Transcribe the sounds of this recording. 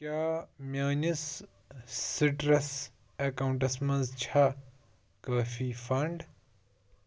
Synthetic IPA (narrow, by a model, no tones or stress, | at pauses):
kʲjaːmʲjaːnisː | iʈɾɐs | ɐkɐuɳʈɐsmɐnzt͡ʃʰa | kɐːfifɐɳɖ